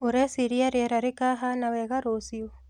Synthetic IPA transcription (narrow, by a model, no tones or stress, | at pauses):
oɾɛsiɾiaɾjɛɾaɾekaɦanaβɛɣaɾosio